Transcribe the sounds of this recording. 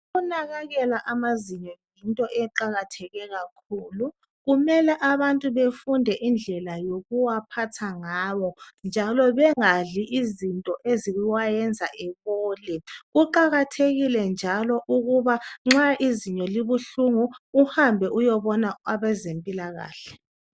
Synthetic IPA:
unaɣaɣɛlaʔamaziɲɔjintʼɔʔɛǃaɣatʰɛɣɛɣakʰuːlu | ɣumɛlɛʔaβantʼuβefundʱɛʔind͡ɮʱɛlajoɣuwapʰatʰaŋawɔnd͡ʒʱalɔβɛŋaɮiʔizintʼɔʔeziɣuwajɛnd͡zʱaʔɛβoːlɛɣuǃaɣatʰeɣilɛnd͡ʒʱalɔʔuɣuβaŋ͡ǁaʔiziɲɔliβuɬuŋuːhambʱɛʔujɔβɔnaaβɛzempʼilaɣa̰ːɬɛ̥

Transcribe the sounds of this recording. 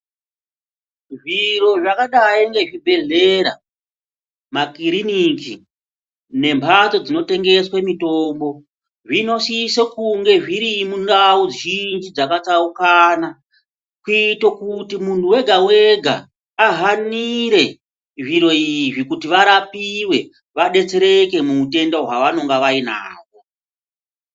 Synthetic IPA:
ʐiro̞ʐakaɗaiŋɡe̞ʐibʱe̞ɮe̞ɾa̰ | makiɾiniki | ne̞mpʰat͡so̞d͡zino̞te̞ŋɡe̞swemito̞ːmbo̞ | ʐino̞sisekuŋɡe̞ʐiɾimundauind͡ʒid͡zakat͡saukaːna | kuitokutimuntuwe̞ɡʱawe̞ɡʱa̰ː | ɦaniɾe̞ | ʐiɾo̞iʐikutiʋaɾapiwe̞ | ʋaɗe̞t͡se̞ɾe̞ke̞muːte̞ndoɦwaʋano̞ŋɡaʋaina̰ːko

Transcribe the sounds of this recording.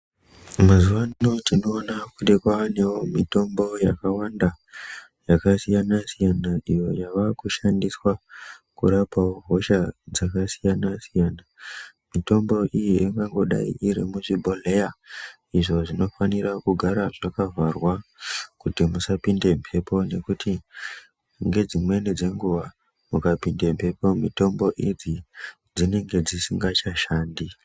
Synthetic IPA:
mazuʋaotino̞ːnakuɗekwaane̞womito̞mbo̞jakawanda | jakasijanasijanaʔijo̞jaʋakuʃandiswakuɾapaoɦo̞ʃad͡zakasijanasijaːna | mito̞mbo̞ʔijiiŋɡaŋɡo̞ɗa̰ḭʔiɾimuʐibʱo̞leja | iʐo̞ʐino̞fanirakuɡʱaɾaʐakavarwakutimusapinde̞mpʰe̞po̞ne̞kuti | ŋɡe̞d͡zimwe̞nid͡ze̞ŋɡuʋa | mukapinde̞mpʰe̞po̞mito̞mbo̞ʔid͡zi | d͡zine̞ŋɡe̞d͡zisiŋɡat͡ʃaʃaːndi

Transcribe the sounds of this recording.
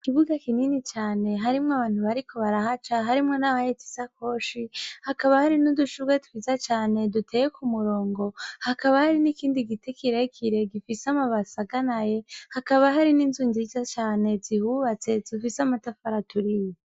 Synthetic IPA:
kiβuɡakininit͡ʃaːne̞ɦaɾimŋoaβaːn̥huβaɾiko̞βaɾaɦat͡ʃaɦaɾimŋo̞naβaheti̥sako̞ːʃihakaβahaɾinuduʃuɡwetu̥hizat͡ʃaːne̞dutʰejekʰumuɾo̞ːŋɡo̞hakaβahaɾinikiːndiɡitekʰiɾekʰiɾe̞ɡifisamaβasaɡanaje̞hakaβaɦaɾiniːnzunzizat͡ʃaːne̞zihuβat͡se̞zifisamatafaɾatuɾije

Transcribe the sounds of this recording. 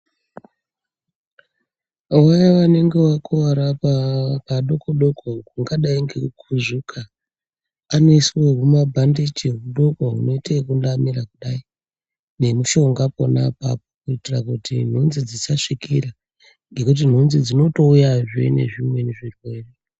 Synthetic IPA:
wajaʋane̞ŋɡe̞wakʰuʋaɾapapaɗo̞koɗokokuŋɡaɗaiŋɡekʰuʐukʰaː | no̞iswokumabʱandit͡ʃieɦuɗo̞koɦuno̞itekundamiɾakuɗai | ne̞muʃo̞ŋɡapo̰na̰pa̰pokuitirakutin̤unzid͡zisaʂikiɾa | ŋɡe̞kut̬in̤unzid͡zino̞to̞ujaʐḛne̞̰ʐimwe̞neʐirwe̞ːre

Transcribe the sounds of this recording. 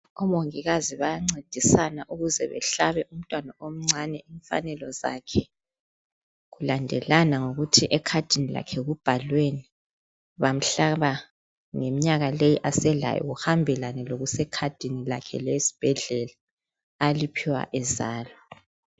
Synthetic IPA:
ɔmoŋiɣaziβajaŋ͡ǀed̥ʱisanaʔuɣuzɛβɛ̰ɬaβɛʔum̩tʼwanaʔom̩ŋ͡ǀʱanɛʔiɱfa̰nɛlɔza̰kʰɛ | ɣulandʱɛ̰lanaŋoɣutʰiʔɛkʰad̥ʱinila̰kʰɛɣub̥ʱalweni | βam̩ɬaβa | ŋemiɲaɣalejiʔasɛɮa̰jɔ̰ɣuhambʱɛlanɛloɣusɛkʰad̥ʱinila̰kʰɛ̰lesi̥b̥ʱɛɮɛlaː | lipʰiwa̰ʔɛzaːlɔ

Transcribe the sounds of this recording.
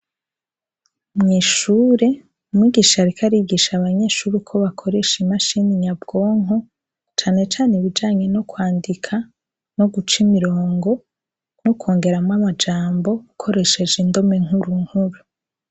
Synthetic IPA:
mŋiːʃuːɾe̞ | umŋiːɡiʃaɾikʰaɾiɡiʃaβaɲe̞ʃuːɾikʰo̞βakʰo̞ɾe̞ʃimaʃiniɲabɡ̥o̞ːŋɦo̞ | t͡ʃaːne̞t͡ʃaːneβid͡ʒaːɲe̞no̞kwaːndikʰa | no̞ɡut͡ʃimiɾoːŋɡo̞ | nokʰoːŋɡe̞ɾamŋamad͡ʒaːmbo̞ukʰo̞ɾe̞ʃe̞d͡ʒindo̞me̞ŋuɾuŋhuɾu

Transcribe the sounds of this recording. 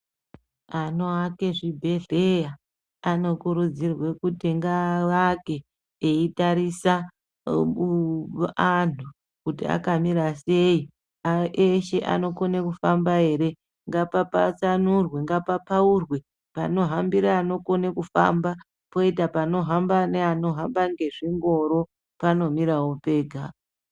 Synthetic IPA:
ano̞ake̞ʐibʱe̞ɮeja | ano̞kuɾud͡zirwe̞kutiŋɡaʋake̞ː | itaɾisa | anu | kutḭa̰kamiɾase̞i | aʔeʃe̞ʔa̰no̞ko̞nekufambae̞ɾe̞ | ŋɡapapa̰t͡sanurweŋɡapapaurwe̞ | pa̰no̞ɦambiɾaːno̞ko̞nekufa̰mba | po̞itapano̞ɦambaneano̞ɦambaŋɡe̞ʐiŋɡo̞ɾo̞ | pano̞miɾawope̞ːɡʱa

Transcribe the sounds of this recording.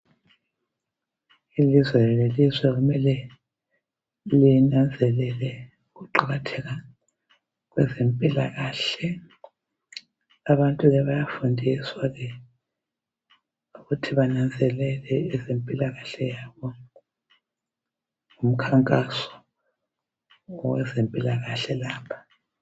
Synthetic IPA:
ilizwɛlelizwɛɣumɛlɛ | linand͡zʱɛlɛlɛ | ɣuǃaɣatʰɛɣa | ɣwɛzempʼilaɣaːɬɛ | aβantʼuɣɛβajafundʱiswaɣɛ | uɣutʰiβanand͡zʱɛlɛlɛːzempʼilaɣaɬɛjaβɔ | ŋum̩kʰaŋkʼasɔ̥ | wɛ̰zempʼilaɣaɬɛlaːpʰḁ

